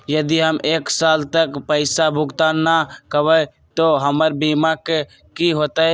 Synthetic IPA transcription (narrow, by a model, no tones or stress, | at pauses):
jəd̪iɦəmʔeːksaːlt̪əkpəɪsabʱʊɡt̪aːnːakəʋə | t̪oɦəməɾbiːmake | kiɦoːt̪aɦɛ